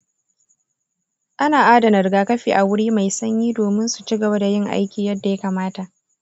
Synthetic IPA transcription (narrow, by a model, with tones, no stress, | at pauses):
ʔa˦naː˨ʔaː˦dɐ˨nɐ˨rɡaː˨kɐ˦ɸiː˨ʔa˨wʊ˦ɽiː˦ma˨jsɐ˦ɲjiː˦doː˨mɪ˦nsu˨t͡ʃi˦ɡɐ˨ba˦da˨jɪ˦ŋʔa̰˦jkʲiː˨jɐ˦dːa˨ja˦kaː˨maː˦ta˨ʔ